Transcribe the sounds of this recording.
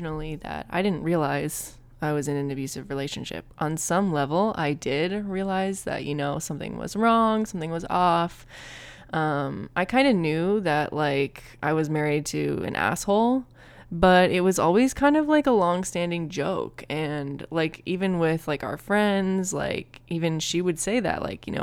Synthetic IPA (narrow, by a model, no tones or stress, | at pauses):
nl̩ˠiðɨ̰ɾa̰ɪɾɪdⁿn̩ʔ̚ɹiəlaɪz̥ | aɪwʌzɨ̃nɨ̃nɨbjʉsɨvɹileɪʃɨ̃nʃɪ̰p̚ʔn̩sʌ̃mlɛvl̩ˠa̰ɪdɪd̚ɹiəlaɪzðɨ̰ʔ̚jɨnoʊsʌ̃mθɪ̰̃ŋwʌ̰zɹɔ̃ŋsʌ̃mθɪ̃ŋwʌzɔf | ʔʌ̃mʔaɪkʰãɪ̃ndɨnjʉðɨʔlaɪk | ʔaɪwʌzmɛɹid̚tʰɨ̰ɨ̰̃nʔæ̰shoʊlˠ | b̥ʌɾɪt̚wʌzɔ̰lˠwiz̥kʰãɪ̃ndʌvlaɪkəlɔ̃ŋstæ̃ndɪ̃ŋd͡ʒoʊkʰɨ̃nlaɪkʰʔivɨ̃nwɪð̥laɪkaʊə˞fɹɛ̃ndzla̰ɪkʔivɨ̃nʃiwɨd̥seɪðɨ̰ʔlʔa̰ɪkjɨ̰no̰ʊ